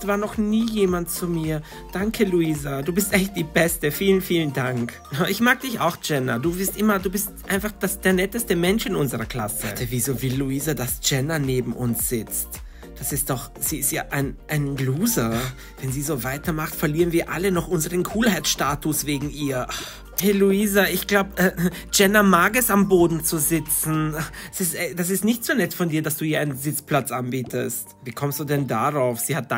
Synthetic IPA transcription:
sv̥aːɐnɔχniːjeːmantt͡sumiːɐ | d̥aŋkʰəluiːzaduːbɪstʔɛçt̚d̥iːbɛstəfiːlənfiːləndaŋk | ʔɪçmaːɡ̚d̥ɪça̰ʊxd͡ʒ̥ɛnɐduːbɪɐstʔɪmɐduːbɪstʔaɪnfaχd̥asd̥eːɐnɛtəstəmɛnʃɪnʊnzəʁɐkl̥a̰sətəviːzoːvɪlːuiːzadasd͡ʒ̥ɛnɐneːbm̩ʔʊnsz̥ɪt͡st | d̥asɪst̚d̥ɔχ | z̥iːɪstjaːʔaɪnʔaɪnɡluːzɐ | vɛnziːzoːvaɪtɐmaχtfɛɐliːʁənviːɐʔalənɔχʔʊnzəʁənkʰuːlhaɪtʃtaːtʊsv̥eːɡŋ̩iːɐ | hɛluiːzaʔɪçɡ̥laʊbʔɛːd͡ʒɛnɐmaːɡɛsamboːdn̩t͡suzɪt͡sn̩sɪstɛd̥as̬ɪstnɪçtz̥unɛtfɔndiːɐdasd̥uːhiːɐaɪnənzɪt͡spl̥at͡sʔanbiːtʰə̰stviːkʰɔmstd̥uːdɛndaʁaʊfz̥iːhat̚d̥a

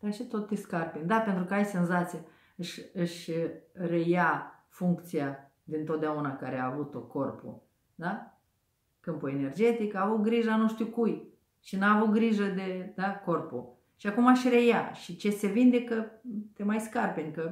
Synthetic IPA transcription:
d̪̥at͡ʃet̪o̞t̪ːeskarpenʲd̪ape̞nt̪ɾukəajse̞nzat̪sia | ɨʃʲɨʃʲre̞ja | fuŋkt̪sija | d̪int̪o̞t̪̚d̪eaunakaɾeaːvut̪oko̞rpṵ | d̪a | kɨmpue̞ne̞rd͡ʒe̞t̪ikaːvut̪̚ɡɾiʒanuʃt̪iukuj | ʃinaːvut̪̚ɡɾiʒəd̪e̞d̪ako̞rpṵ | ʃiakumaʃre̞jaʃit͡ʃe̞se̞vind̪e̞kət̪e̞majskarpenkə

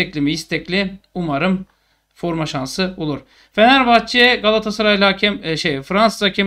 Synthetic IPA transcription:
ɛclʲimiist̪ʰɛclʲiumaɾɯm | fo̞ɾmaʃansɯolˠuɾ̥ | fenæɾbaxt̪t͡ʃʰeɡalˠat̪ʰasɯɾajlʲˠacʰɛmʃejfɾansɯzacʰim

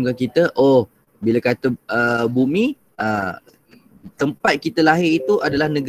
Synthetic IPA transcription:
ŋkankit̪əʔoh | bilakat̪əəbumi | ʔə | t̪əmpat̪̚kit̪əlaɦɪrit̪uʔadalahnəɡ

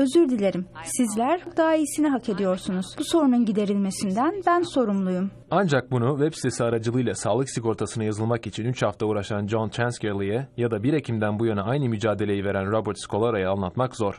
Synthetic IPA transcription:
ø̞zyɾd̪ilʲe̞ɾimsizlʲæɾd̪aːisinɛɦakʰe̞d̪ijo̞ɾsunuz̥b̥uso̞ɾununɟid̪e̞ɾilʲme̞sind̪ænbænso̞ɾumlˠujum | and͡ʒak̚bunuvɛpsi̥t̪ʰesiaɾad͡ʒɯlˠɯjlˠasaːlˠɯksiko̞ɾt̪ʰasɯnɯjazɯlˠmakit͡ʃʰinyt͡ʃhaft̪ʰauːɾaʃand͡ʒont̪ʰɾænskeɾlʲˠijɛjad̪abiɾe̞cʰimd̪ænbujønɛajnɯmyd͡ʒaːd̪e̞lʲe̞jive̞ɾænɾobuɾt̪skʰo̞lˠaɾajaanlˠat̪makzo̞ɾ̥

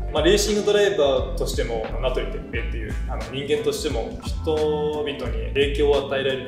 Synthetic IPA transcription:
maɾe̞ːɕĩŋɡɯ̟d̪o̞ɾaibaːt̪o̞ɕi̥t̪e̞mo̞nat̪oɾʲit̪ekiet̪ːe̞jɯ̟̰ːano̞ɲ̟ĩŋɡẽ̞nt̪o̞ɕi̥t̪e̞mo̞ | çi̥t̪o̞bʲit̪o̞ɲ̟ie̞ːkʲo̞ːat̪aeɾaeɾɯ

